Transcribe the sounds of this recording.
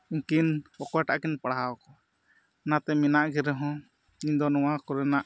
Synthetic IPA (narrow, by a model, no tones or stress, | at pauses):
ikinpɔkɔʈa̰ʔkinpaɽaɦawkɔ | nat̪ɛminaʔɡɛɾɛɦɔ̃ | iɲd̪ɔnɔwakɔɾɛnaʔ